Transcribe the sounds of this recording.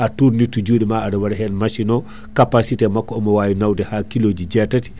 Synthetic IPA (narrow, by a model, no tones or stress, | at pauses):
ʔatuɾnitːud͡ʒuːɗimaːdawaɾɛɦɛnmaʃinɔ | kapasitɛmakːɔɔmɔwaːjinawdɛhakiloːd͡ʒid͡ʒɛtati̥